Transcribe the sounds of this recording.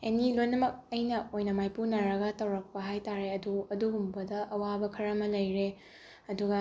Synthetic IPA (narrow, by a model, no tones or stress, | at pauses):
enilojnɐmɐk̚ɐjnɐojnɐmajpunɐɾɐɡɐtɐwɾɐk̚pɐɦajtaɾeɐduɐduɦumbɐdɐʔɐwabɐkʰɐɾɐmɐlɐjɾe | ɐduɡɐ